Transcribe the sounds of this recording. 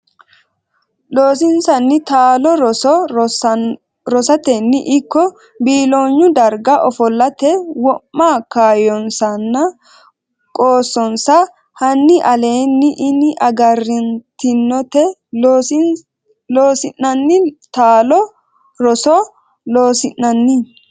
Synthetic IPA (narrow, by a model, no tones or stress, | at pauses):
lo̞ːsɪnsɐnːɪt̪aːlɔɾɔɔ | ɾɔsɐt̪ɛnːɪʔɪkːɔ | biːloːɲːʊd̪ɐɾɡɐʔɔfɔlːɐt̪ɛwɔmːaːkaːjɔnsɐnːɐ | kʼoːsːɔnsɐ | hɐnːɪʔɐle̞ːnːɪʔɪnɪʔɐɡɐrːɪnt̪ɪnːɔt̪ɛ | loːsɪnːɐnːɪt̪aːlɔ | ɾɔsɔ | loːsɪnːɐnːɪ